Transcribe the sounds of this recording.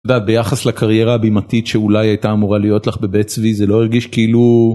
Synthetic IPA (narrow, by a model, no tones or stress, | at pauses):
od̪aːt̪̚be̞jaχaslakʰaʁje̞ʁaːbimatitʃeulajajtaːmuʁalijo̞tlaχbe̞bet͡svizelo̞eʁɡiʃkeilu